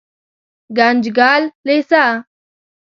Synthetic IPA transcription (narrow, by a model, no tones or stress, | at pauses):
ɡãnd͡ʑɡaːllesa